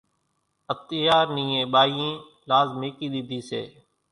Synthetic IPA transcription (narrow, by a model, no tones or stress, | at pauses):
ət̪ɪjaːɾnĩːẽːɓaːjĩː | laːzmeːkiːɗ̪ɪd̪ʱiːsḛː